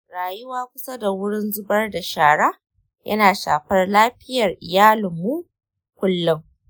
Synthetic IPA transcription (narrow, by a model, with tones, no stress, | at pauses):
ɽaː˨jʊ˦waː˦kʷʊ˦sa˦da˨wʊ˦ɽɪ˦nzʊ˦bɐ˦rda˨ʃaː˨ɽa˦ | jʔɐ̰˦naː˨ʃa̰ː˨ɸɐ˦rlaː˦ɸɪ˦jɐ˨rʔɪ˨jaː˦lʊ˨mːu˦ | kʷʊ˦lːʊ˦ŋ